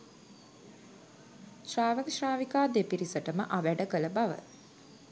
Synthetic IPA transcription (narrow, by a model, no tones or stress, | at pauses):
ʃraːʋəkʃraːʋikaːd̪epiɾisəʈəməʔaʋæɖəkələbaʋə̰